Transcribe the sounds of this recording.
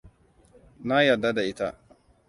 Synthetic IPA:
na˦jɐ˨dːa˦da˨ʔɪ˦ta̰˦

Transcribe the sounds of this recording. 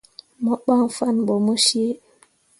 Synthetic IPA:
mɔ˦ɓa˦ŋfa˦nɓɔ˨mu˦ʃi˦e˦

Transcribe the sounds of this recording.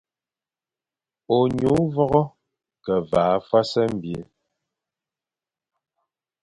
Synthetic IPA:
o˨ɲu˨˦vɔ˦ɣɔ˦ | kɛ˨vaː˨˦fwa˦sɛ˦m̩˦˨bje˨

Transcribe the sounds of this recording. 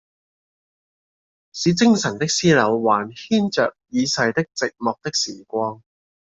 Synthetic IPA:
siː˨˧˥t͡sɪ˥ŋsɐ˨˩nt̪ɪ˥k̚siː˥lɐ˨˧wwaː˨˩nhiː˥nt͡ʃœ̰ː˨k̚jiː˨˧sɐ˨˧jt̪ɪ˥k̚t͡sɪ˨k̚mɔː˨k̚t̪ɪ˥k̚siː˨˩kʷɔː˧ŋ

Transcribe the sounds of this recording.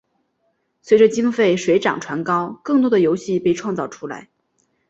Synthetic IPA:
swe˧˥ɪʈ͡ʂə˧t͡ɕi˥ŋfe˥˩ɪʂwe˧˥ɪʈ͡ʂɑ̰˨˩ŋʈ͡ʂʰwa˧˥nkɑ˥ʊkɤ˥˩ŋt̪wɔ˥d̪ə˨jo˧˥ʊɕi˥˧pe˥˧ɪʈ͡ʂʰwɑ˥˧ŋt͡sɑ˥˩ʊʈ͡ʂʰu˥la̰˧˥ɪ

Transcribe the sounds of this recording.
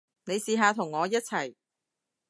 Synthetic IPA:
ne˨˧jsiː˨ɦaː˧t̪ʰʊ˨˩ŋːɔː˨˧jɐ˥t̚t͡sʰɐ˨˩j

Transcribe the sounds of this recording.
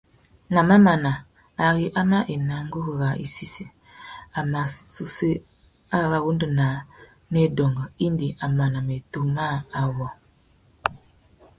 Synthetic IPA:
ŋa˨ma˦ma˨na˨ | a˨ɣi˦ʔa˦ma˦ʔe˨na˨ŋɡu˦ɣɣa˨ʔḭ˨si˦si˨ | a˨ma˨su˨se˦ | a˦˨βa˨ɣu˦ndu˨na˨˦ | ne˦dɔ˨ŋɡɔ˨i˦ndi˨ʔa˨ma˨na˨me˨to˨ma˦a˨wɔ˨

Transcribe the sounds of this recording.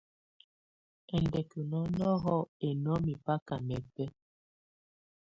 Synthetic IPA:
ɛ˨ndɛ˨ku˨nɔ˦nɔ˦ɣɔ˦e˨nɔ˦mi˨pa˦ka˨mɛ˨pɛ˦

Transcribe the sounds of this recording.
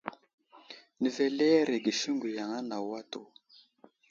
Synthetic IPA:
ni˨vɛ˨lɛ˦ɾe˨ɡi˨ʃi˦ŋɡu˨ja˨ŋa˦na˨wa˦to˨

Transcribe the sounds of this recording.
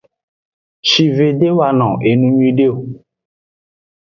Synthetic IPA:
t͡ʃi˨ve˨ɖe˦wa˨nɔ̰̃˨ʔe˨nũ˨ɲũ˦ĩ˦ɖe˦o˨

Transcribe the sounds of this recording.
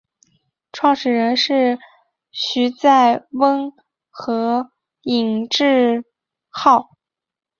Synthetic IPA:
ʈ͡ʂʰwɑ˥˧ŋʂɻ̩˨˩ɻə˧˥nʂɻ̩˥˩ | ɕy˧˥t͡sa˥˩ɪwə˥n | xɤ˧˥ | i˨˩ŋʈ͡ʂɻ̩˥˧ | xɑ˥˩ʊ

